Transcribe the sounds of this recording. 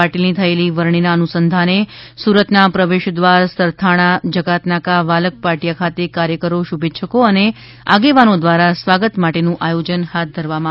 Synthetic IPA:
aʈilnit̪ʰəeliʋəɾɳ̃inaənusənd̪ʱanesuɾət̪napɾəʋeʃd̪ʋaɾsəɾt̪ʰaɽ̃ad͡ʒəɡat̪nakaʋalək̚paɾʈijakʰat̪ekaɾjəkəɾoʃubʱetːʃʰəkoəne | a̰ɡeʋanod̪ʋaɾasʋaɡət̪maʈenũʔajod͡ʒənhat̪̚ʰd̪ʱəɾʋamã

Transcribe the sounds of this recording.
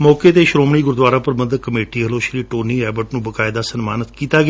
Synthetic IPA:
mɔːkeːt̪eːʃɾoːmɳ̃iːɡʊɾd̪ʋaːɾaːpəɾbənd̪kəmeːʈiːɦəloːʃliːʈoːniːɛːbəʈnũːbəkaːɪd̪aːsənmaːnət̪kiːt̪aːɡɪ

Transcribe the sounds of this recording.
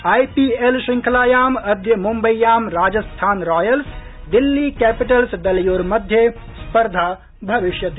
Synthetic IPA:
aːjpielʃɪ̃ŋkʰɐlaːjaːmɐd̪ʱjɐmumbɐjjːaːmɾaːd͡ʒɐst̪ʰaːnɾɔːjɐls | d̪ɪlːikɛːpɪʈɐlsd̪ɐljoːɾmɐd̪ʱje | spɐɾd̪ʱaː | bʱɐʋɪʃjɐt̪ː

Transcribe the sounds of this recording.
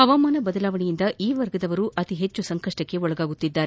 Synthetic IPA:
ɐʋɐmaːnɐbɐd̪ɐlaːʋɐɳijind̪ɐʔiːʋɐɾɡɐd̪ɐʋɐɾuʔɐt̪iɦe̞t͡ʃːusɐŋkɐʂʈɐkːe̞ɔɭɐɡaːɡut̪ːid̪ːaːɾe

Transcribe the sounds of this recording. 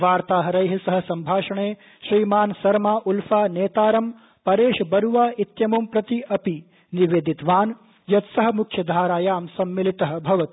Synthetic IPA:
ʋaːɾt̪aːɦɐɾɐjɦɐsɐɦɐ̆sɐmbʱaːʃɐɳeː | ʃɾiːmaːnsɐɾmaːʔulfaːneːt̪aːɾɐm | pɐɾeːʃbɐɾuʋaːit̪jɐmumpɾɐt̪iʔɐpi | niʋeːd̪it̪ʋaːn | jɐt̪sɐɦɐ̆mukʰjɐd̪ʱaːɾaːjaːmsɐmːilit̪ɐɦɐ̆bʱɐʋɐt̪i

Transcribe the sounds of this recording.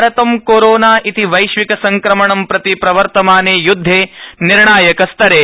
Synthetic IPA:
ɾɐt̪ɐmkoːɾoːnaːʔit̪iʋɐjʃʋikɐsɐŋkɾɐmɐɳɐmpɾɐt̪ipɾɐʋɐɾt̪ɐmaːneːjud̪ʱːeːniɾɳaːjɐkɐst̪ɐɾeː

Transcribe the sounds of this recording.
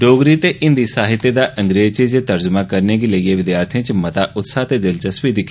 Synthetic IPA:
ɖoːɡɾiːt̪eːʔɪnd̪iːsaːɦɪt̪ːeːd̪aːʔəŋɡɾeːzt͡ʃed͡ʒet̪əɾd͡ʒəmaːkəɾneːɡiləieːʋɪd̪jaːɾt̪ʰẽːt͡ʃmət̪aːʔʊt̪saːt̪eːd̪ɪlt͡ʃəsʋid̪ɪkʰː

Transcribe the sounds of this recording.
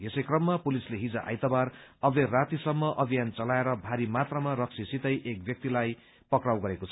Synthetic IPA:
jesʌjkrʌmːapulisleɦid͡zaʔa̰jt̪ʌbarʌberat̪isʌmːʌʔʌbʱijant͡sʌlaeɾʌbʱaɾimat̪rʌmaɾʌk̚sʰisit̪ʌjʔek̚bjʌk̚t̪ilaj | pʌkrawɡʌɾekot͡sʰʌ

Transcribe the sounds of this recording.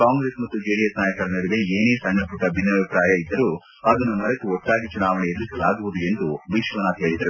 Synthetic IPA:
kaːŋɡɾe̞ːsmɐt̪ːud͡ʒeːɽijɐsnaːjɐkɐɾɐnɐɽiʋeeːneːsɐɳɖɐpuʈɐbʱinːɐbʱipɾaːjɐid̪ːɐɾu | ɐd̪ɐnːumɐɾɐt̪uɔʈːaːɡit͡ʃunaːʋɐnɛjed̪usɐlaːɡuʋud̪ue̞nd̪ubiʃʋɐnat̪ɦeːɭid̪ɐɾu

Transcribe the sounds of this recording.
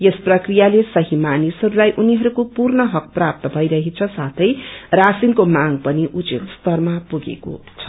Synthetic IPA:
jesprʌkrijalesʌɦimanisɦʌɾulajʔuniɦʌɾukopurnʌɦʌk̚prap̚t̪ʌbʱʌjɾʌɦit͡sʰʌsat̪ʰʌjrasinkomaŋɡpʌniʔut͡sit̪st̪ʌrmapuɡḛko̰t͡sʰʌ̥

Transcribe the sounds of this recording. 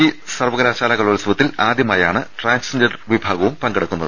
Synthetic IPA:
isɐrʋɐɣɐɾaːɕaːlɐɣɐɭʋɐlɐsuʋɐt̪ːilaːd̪jɐmaːjaːɳɨʈraːnsɐnd͡ʑɐrʋibʱaːɡɐʋumpɐŋɡeɽukːunːɐðɨ

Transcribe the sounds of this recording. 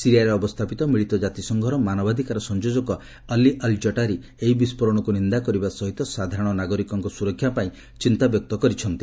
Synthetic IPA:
siɾijaɾeɔbɔst̪ʰapit̪ɔmiɭit̪ɔd͡ʒat̪isɔŋɡʱɔɾɔmanɔbad̪ʱikaɾɔsɔnd͡ʒod͡ʒɔkɔ | alːiʔald͡ʒɔʈaɾe | eɦibispɔɾɔɽ̃ɔkunind̪akɔɾibasɔɦit̪ɔsad̪ʱaɾɔɽ̃ɔnaɡɔɾikɔŋkɔsuɾɔkʰjapaĩ | t͡ʃint̪abjɔk̚t̪ɔkɔɾit͡ʃʰɔnt̪i

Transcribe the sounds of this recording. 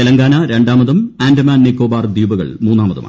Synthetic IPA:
elɐŋɡaːnɐɾe̞ɳɖaːmɐðɐmaːndɐmaːnnekːoːbaːrd̪iːbɐɣɐ̰ɭmuːnːaːmɐðɐ̰ma̰ː

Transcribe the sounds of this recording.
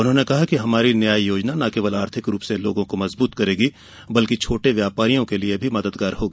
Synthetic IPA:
ʊnɦõːnekɐɦakiɦɐmaːɾinjaːjjoːd͡ʒnanɐkeːʋəlaːɾt̪ʰɪkɾuːpseloːɡõkomɐzbuːt̪kɐɾeːɡi | bɐlkit͡ʃʰoːʈeʋjaːpaːɾijõkeliebʱimɐd̪əd̪ɡaːɾɦoːɡiː

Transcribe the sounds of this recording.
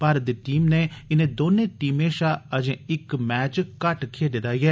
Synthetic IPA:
paɾd̪eʈiːmneːɪnẽːd̪oːneːʈiːmẽːʃaːəd͡ʒẽːɪkmɛːt͡ʃkɐʈkʰed̪ɪt̪aːjɛː

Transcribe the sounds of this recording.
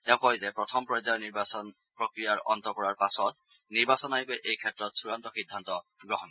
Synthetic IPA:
tɛʊ̃kɔjzɛpɹɔtʰɔmpɹɔjzajniɹbasɔn | pɹɔkɹijaɹɔntɔkɔɹaɹpasɔt | niɹbasɔnajikojʔejkʰɛtɹɔtsuɹantɔxidʱːantɔɡɹɔɦɔn

